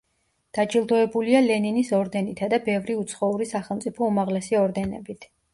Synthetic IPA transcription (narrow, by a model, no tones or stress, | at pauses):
d̪̥ad͡ʒʼilˠd̪ɔɛbulialɛninisɔɾd̪ɛnit̪ʰad̪abɛvɾiut̪sʰχɔuɾisaχɛlˠmt̪sʼipʰɔumaʁlɛsiɔɾd̪ɛnɛ̰bit̪ʰ